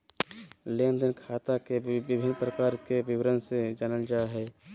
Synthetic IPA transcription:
leːnd̪ənkʰaːt̪akebɪbʱɪnpɾəkaːɾkebɪwɾənsed͡ʒaːnəld͡ʒaːɦɛ

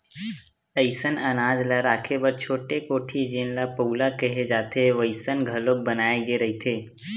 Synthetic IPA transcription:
t̪əɪsənɐnaːd͡ʒlɐɾaːkʰebəɾt͡ʃʰoːʈekoːʈʰid͡ʒẽːnlapəulakəɦed͡ʒaːt̪eʋəɪsənɡʱɐlob̚bɐnaːeɡeɾɐɦit̪ʰeː

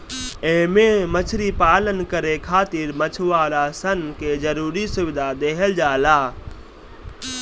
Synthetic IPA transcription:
ẽːmẽmət͡ʃʰɾiːpaːlənkəɾekʰaːt̪iːɾmət͡ʃʰʋaːɾaːsənkeːd͡ʒəɾuːɾisʊʋɪd̪ʱad̪eːɦəld͡ʒaːlaː

